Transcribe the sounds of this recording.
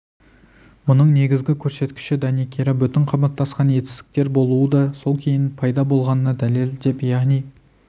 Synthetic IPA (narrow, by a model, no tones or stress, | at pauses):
mʊnəɴne̞ɡʲɪzɡʲɪkʲʰɵɾse̞t̪kʲɪ̥ʃɪd̪ɑnikʲʰeɾabʏt̪ɪɴqʰɑbɑt̪ːɑsqɑnje̞t̪ɪ̥st̪ɪ̥k̚t̪e̞ɾbo̞lˠuəd̪ɑso̞lˠkʲʰe̞jɪnpʰɑjd̪ɑbo̞lˠʁɑnənɑd̪æle̞ld̪e̞pjɑʁnij